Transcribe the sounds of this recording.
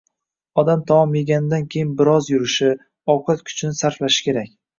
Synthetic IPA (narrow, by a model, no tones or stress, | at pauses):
ɒd̪amt̪ʰɒwɒmeɡʲanɪd̪ankʲʰe̞jɪnbɪɾɒzjʊɾɪʃɪ | ɒwqat̪kʰʲʊ̥t͡ʃʰnɪsaɾflaʃɪ̥kʲʰe̞ɾakʲ